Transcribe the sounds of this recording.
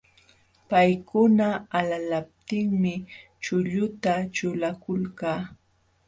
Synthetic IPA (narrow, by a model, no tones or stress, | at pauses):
pajkʊnaalalap̚t̪ɪŋmɪ | t͡ʃʊʎʊt̪at͡ʃʊlakʊlkaː